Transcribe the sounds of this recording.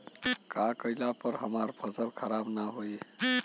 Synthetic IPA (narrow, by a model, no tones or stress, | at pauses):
kakʌilapəɾɦəmaɾbʰʱʌzəlkʰəɾabnaɦoj